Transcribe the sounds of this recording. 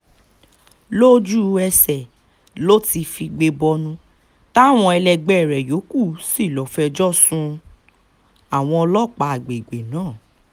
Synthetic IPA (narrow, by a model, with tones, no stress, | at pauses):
lo˦d͡ʒu˦ɛ˧sɛ˨ | lo˦ti˧fi˧ɡ͡be˧bɔ˧nũ˧ | ta˦˨w̃ɔ̃˧ɛ˧lɛ˧ɡ͡bɛ˨ɾɛ˨jo˨˦ku˦˨si˦˨lɔ˨fɛ˧d͡ʒɔ˦sũ˧ | a˨w̃ɔ̃˧ɔ˧lɔ˦˨k͡pa˧a˨ɡ͡be˨ɡ͡be˨nãː˨˦˨